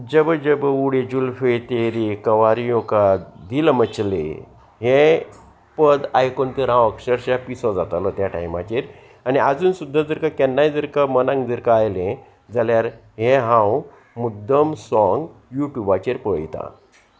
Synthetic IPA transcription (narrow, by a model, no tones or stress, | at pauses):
d͡ʑəbəd͡ʑəbəuɽed͡ʑulfejt̪eɾikəʋaɾijokad̪ilmət͡ɕlḛ | ɦẽ | pəd̪ajkɔnt̪əɾɦãwəkʂəɾɕapisɔd͡zat̪alɔt̪jaʈa̰jmat͡ɕeɾ | aniad͡zuːnsud̪ʱːad͡zəɾkakɛnːajd͡zəɾkamənãŋɡd͡zəɾkaajlẽ | d͡zaljaɾ | ɦẽɦãw | mud̪ːəmsɔ̃ŋɡjuʈjubat͡ɕeɾpəjt̪ã̰